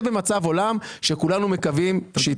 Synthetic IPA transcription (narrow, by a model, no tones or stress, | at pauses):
bemat͡savo̞lamʃe̞kulanume̞kavimʃe